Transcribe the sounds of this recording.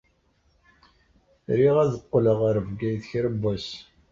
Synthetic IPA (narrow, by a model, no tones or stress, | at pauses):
ɾiʁæðəqːləʁəɾvɡæjθçɾəbːæs